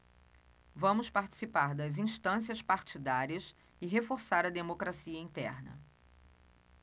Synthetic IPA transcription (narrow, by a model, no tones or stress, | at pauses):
vɐ̃mʊspaɾt͡ʃi̥sipaɾd̪ɐzĩst̪ɐ̃s̬iɐspaɾt͡ʃid̪aɾiɐs | ɪɦefoɾsaɾɐd̪emokɾasiɐĩnt̪ɛɾnɐ̰